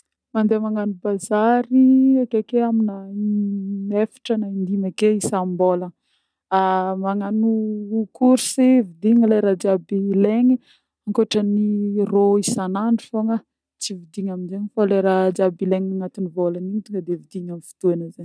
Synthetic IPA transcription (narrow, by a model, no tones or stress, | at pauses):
mand̪emaŋanubazaɾiakekeamina | nefi̥ʈ͡ʂənaind̪inəkeisambolə | amaŋanukuɾsivid̪iɲəlajɾad͡ʒabileŋi | aŋkuaʈ͡ʂəniroisanaɳɖ͡ʐufoŋə | t͡sivid̪iɲaminzeɲifoleɾad͡ʒabileŋaŋat̪inivolaniɲit̪uŋɡəd̪evid̪iɲamifi̥t̪uanazeɲ